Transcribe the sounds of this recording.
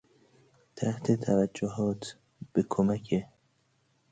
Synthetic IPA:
t̪ʰæht̪ʰet̪ʰævæd͡ʒːoɦɒːt̪ʰ | b̥ekʰomækʰe

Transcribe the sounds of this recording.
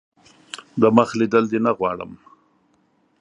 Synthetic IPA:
d̪əməxlid̪əld̪enaɣwɑɽə̰m

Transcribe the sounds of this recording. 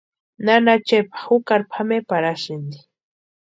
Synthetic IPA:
nanat͡ʃepḁxʊkaɾpʰamepaɾaʃɪnd̪i̥

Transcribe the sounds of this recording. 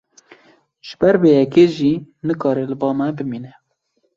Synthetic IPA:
ʒ̥ɨbɛɾbeːjɛkeːʒiːnɨkɑːɾɛlɨbɑːmɛbɨmiːnɛ

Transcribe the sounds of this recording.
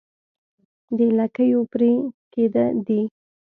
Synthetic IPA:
d̪əɪlakəjopɾiked̪əd̪i

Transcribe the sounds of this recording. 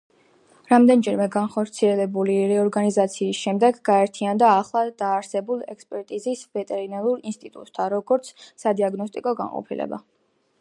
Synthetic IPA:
ɾamd̪ɛnd͡ʒɛɾmɛɡanχɔɾt̪sʰiɛlɛbuliɾɛɔɾɡanizat̪sʰiːsʃɛmd̪ɛɡɡaɛɾt̪ʰiand̪aːχlˠad̪̥aːɾsɛbulˠɛkspʼɛɾt̪ʼizisvɛt̪ʼɛɾinaɾuɾinst̪ʼit̪ʼṵt̪ʼt̪ʰːaɾɔɡɔɾt̪sʰsad̪iaɡnɔst̪ʼikʼɔɡa̰ŋqʼɔ̰pʰilɛ̰ba̰

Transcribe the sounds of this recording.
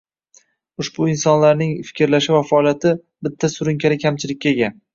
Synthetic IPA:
ʊʃbʊɪnsɒnlaɾnɪŋfɪ̥kʲɪɾlaʃɪvafɒɒlˠjat̪ʰɪ | bɪt̪ʰːasʊɾʊŋkʲʰaɾɪkʲʰamt͡ʃʰɪlɪk̚ʲːaeɡʲan

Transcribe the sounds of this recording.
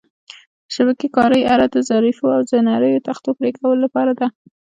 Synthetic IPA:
ʃabakikɑɾəjaɾad̪ozaɾifoawd̪ənaɾəjot̪axt̪opɾekawəlolapɑɾad̪a

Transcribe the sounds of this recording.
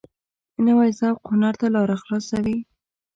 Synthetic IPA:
nawajsawqʊnaɾt̪alɑɾaxlɑsawi

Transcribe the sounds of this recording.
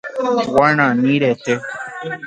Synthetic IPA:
wañãnĩɾɛt̪e

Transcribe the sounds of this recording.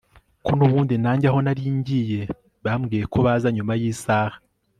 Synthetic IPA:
konuβuːndinaːɲɟaɦo̞naɾiːɲɟije̞ | βamɡiːje̞kʰo̞βaːzaɲumajiːsaːhḁ

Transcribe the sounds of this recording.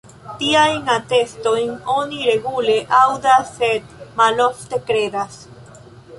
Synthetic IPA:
t̪iajnat̪e̞sto̞jno̞niɾe̞ɡule̞ʔawdasːed̪̚malo̞fte̞kɾe̞d̪as

